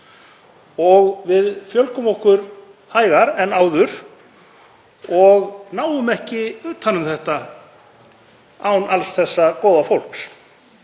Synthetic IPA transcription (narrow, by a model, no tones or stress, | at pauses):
ɔɣvɪðfjœlkʏmɔhkʏɾ | haːjɣaɾɛnːaːwðʏɾ̥ | ɔɣnaːwʏmɛhcɪʏːt̪ʰanʏmθɛht̪a | awnalsθɛsːakɔːwðafowl̥ks